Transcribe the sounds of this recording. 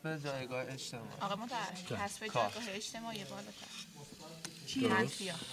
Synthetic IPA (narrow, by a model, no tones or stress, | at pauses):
bed͡ʒɒːjɡɒːheeʃt̪ʰemɒ̰ːiɒɣemot̪ʰæeæsfekd͡ʒʰɒːjɡɒːɦeeʃt̪ʰe̞mɒːjebɒːlɒːt̪ʰæ̰ɾ | æfijɒ